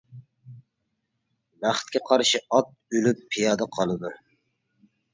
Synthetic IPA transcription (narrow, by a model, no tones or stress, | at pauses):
bæχt̪̚kʲʰɛqʰɑɾʃiɑt̪̚ylypʰːijɑːd̪ɛqʰɑlˠɨd̪u